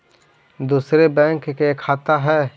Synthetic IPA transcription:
d̪uːsɾebɛ̃ːŋkkekʰaːt̪aɦɛː

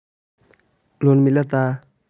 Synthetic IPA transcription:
lonmilat̪a

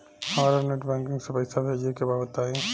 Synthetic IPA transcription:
hɐmaːɾaneːʈbɛ̃ːŋkɪ̃ŋɡsepɐɪsabɦed͡ʒekebaːbət̪ːaːẽ

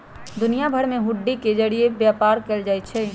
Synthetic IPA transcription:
d̪ʊnijabʱɐɾmẽɦʊɖːiked͡ʒɐɽiebjaːpaːɾkɐld͡ʒaːit͡ʃʰɛː

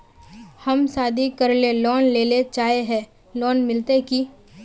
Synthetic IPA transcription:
həmsaːd̪ʱikəɾlelɔːnleːlet͡ʃaːeɦɛ̃ː | lɔːnmɪlt̪eki

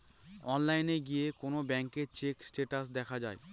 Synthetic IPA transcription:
ɔnlajneɡijekonobɛŋkeɾt͡ɕeksʈeʈas̬d̪ɛkʰad͡ʑae

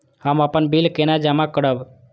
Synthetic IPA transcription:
həməpənbilkenad͡ʒamakəɽəb

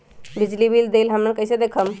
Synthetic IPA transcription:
bid͡ʒlibild̪elɦəmnəkəjsed̪ekʰəm

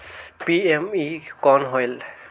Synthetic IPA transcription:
piemikɔnɦɔjl

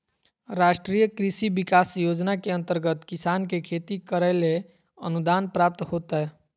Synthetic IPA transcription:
ɾaːʃʈɾijəkɾisibɪkaːsjoːd͡ʒnakeə̃nt̪əɾɡət̪kɪsaːnkekʰeːt̪ikəɾəle | ə̰nud̪aːnpɾaːp̚t̪hoːt̪aɦɛ

